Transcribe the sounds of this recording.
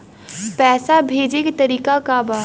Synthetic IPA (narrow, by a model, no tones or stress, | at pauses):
pɛːsabʱeːd͡ʒeket̪əɾiːkakabaː